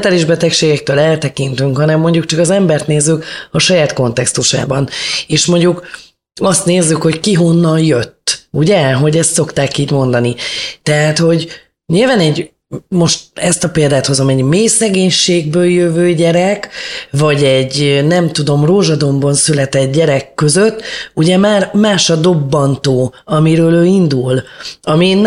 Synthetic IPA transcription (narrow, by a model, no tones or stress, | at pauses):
t̪aːliʒbɛt̪ɛkʃeːɡɛk̚t̪øːlɛlt̪ɛkint̪yŋkhɒnɛmːo̞ɲɟukt͡ʃɒkɒzɛmbɛrt̪neːzːykɒʃɒjaːt̪ko̞nt̪ɛkst̪uʃa̰ːbɒneːʃmo̞ɲɟuk | ɒst̪neːzːykho̞ckiɦo̞nːɒnjøt̪ːuɟɛɦo̞ɟɛst̪so̞kt̪aːkiːɟmo̞nd̪ɒnit̪ɛɦaːt̪ho̞ɟ | ɲilvaːnɛɟ | mo̞ʃt̪̚ɛst̪ɒpeːld̪aːt̪hozɒmɛɟmeːsɛɡeːɲʃeːɡ̚bøːljøvøːɟɛɾɛkvɒɟɛɟnɛmt̪ud̪o̞mroːʒɒd̪o̞mbɒnsylɛt̪ɛd̪̚ɟɛɾɛkːøzøt̪ːuɟɛmaːrmaːʃɒd̪o̞bːɒnt̪oːɒmiɾøːløːind̪ulɒmin